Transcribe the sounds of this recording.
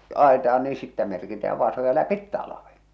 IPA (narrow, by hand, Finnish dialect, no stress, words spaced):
ɑˑetɑɑn niː sitːæ merkitæː ʋɑˑsojɑ læpit tɑlɑʋen